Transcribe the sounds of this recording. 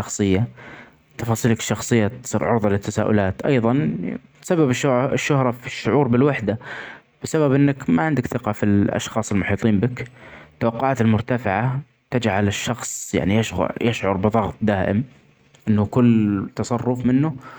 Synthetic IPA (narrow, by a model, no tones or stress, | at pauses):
ɑxsˤɨjːa | t̪ɑfɑːsˤiːlakʃːɑxsˤɨjːat̪sˤḭːɾʕʊɾðˤɑlɪt̪ːasa̰ːʔʊ̰laːt̪ʔɑ̰jðˤɑn | sababɪʃɪʃːʊhɾˤɑfiʃːʊʕuːɾbɪlwaħd̪a | b̥ɪsababʔɪnːakmaʕɪnd̪akθɪqɑfilʔɑ̰ʃxɑːsˤɪlmʊħiːt̪ˤiːmbɪkt̪ːawɑqːʊʕaːt̪ɪlmʊɾt̪afɪʕa | t̪ad͡ʒʕalɪʃːɑxsˤja̰ʕnijaʃjɪʃʕʊ̰ɾˤbɨðˤɑɣt̪̚ˤd̪aːʔɪ̰m | ʔɪnːʊkʊlːt̪ɑsˤɑrˤːʊfmɪnːʊ